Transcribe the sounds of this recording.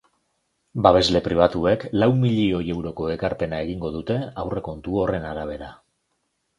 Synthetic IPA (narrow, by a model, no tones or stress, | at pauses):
baβ̞e̞zle̞pɾiβ̞at̪ue̞klawmiʎio̞je̞wɾo̞ko̞e̞kaɾpe̞nae̞ɣ̞iŋɡo̞ð̞ut̪e̞awre̞ko̞nt̪uo̞re̞naɾaβ̞e̞ɾa